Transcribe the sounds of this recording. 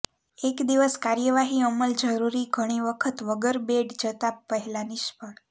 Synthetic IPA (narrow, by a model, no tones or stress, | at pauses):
ekd̪iʋəskaɾjəʋaɦiəməld͡ʒəɾuɾiɡʱəɽ̃iʋəkʰət̪ʋəɡəɾbeɖd͡ʒət̪apəɦɛlaniʃpəɳ